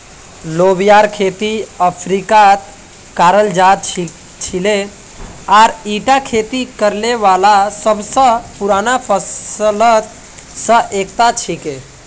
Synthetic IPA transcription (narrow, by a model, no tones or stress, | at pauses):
lobijaɾkʰet̪iəpʰɾikat̪ | kaːɾəld͡ʒad̪ | t͡ʃʰile | aːɾiʈakʰet̪ikəɾleʋaːlasəbsə̃puɾaːnapʰəslət̪ | sə̃ʔek̚t̪at͡ʃʰike